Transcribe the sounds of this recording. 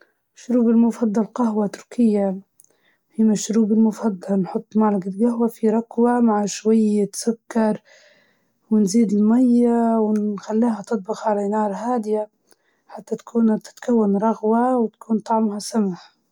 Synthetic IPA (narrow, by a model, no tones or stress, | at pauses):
ʃʊɾuːbɪlmʊfɑd̪ˤːɑlqahwat̪ʊɾkʰɪjːa | hijːmaʃʊɾuːbɪlmʊfɑd̪ˤːɑlnħʊt̪ˤːmaʕlaɡalɡahwafiɾˤɑkwamaʕʃwajːt̪sʊkːɑɾˤ | wɪnziːd̪ɪlmajːawɪnxalːaːhat̪ɨt̪̚ˤbɑxalinɑːɾˤɦaːd̪ɪja | ħat̪ːat̪ḁkʰuːnt̪ɪ̥t̪kawːanɾˤɑɣwawɪt̪ḁkʰuːnt̪ˤɑʕmhasamaħ